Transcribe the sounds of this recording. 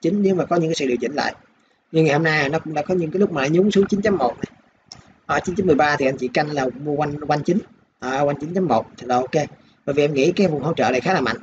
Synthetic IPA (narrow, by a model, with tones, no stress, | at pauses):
t͡ɕï˨˦ŋ̟ɲɨ˨˧˦maː˨˩kɔ˨˦ɲɨ˧˥ŋkaː˦sɨ̰˧˨ɗi˨˩ət͡ɕï˧˩ŋ̟la̰ː˧˨j | ɲɨ˧ŋaː˨˩jho˧na˧jaː˨˩nɔ˨˦kʊ˧˥ŋ͡mɗa̰ː˧˥kɔ˨˦ɲɨ̰˧˥kaː˦lʊ˦˥k͡p̚maː˨˩a̰ː˧˨ɲʊ˨˦ŋsɨ˨˦əŋt͡ɕi˨˦nt͡ɕa˨˦mːo˨˩t̚na˨˩j | ʔəː˨˩t͡ɕi˨˦nt͡ɕa˨˦mɨ˨˩əjɓaː˧t̪ʰi˨˩ʔa˧jɲt͡ɕḭ˧˨ka˧jnlaː˨˩˧mu˧kwa˧ŋwa˧nt͡ɕi˨˦ŋ̟ | ʔəː˨˩kwa˧jnt͡ɕi˨˦nt͡ɕa˨˧˦mːo˨˩t̚t̪ʰla˨˩ʔo˧ke˧ | ɓə̰ː˧˨jvi˨˩ʔɛ˧mŋḭ˧˥kaː˨˦jvʊ˨˩ŋ͡mŋɦo̰˧˦t͡ɕə̰ː˧˨a˨˩xaː˨˦laː˨˩ma̰˧˨ŋ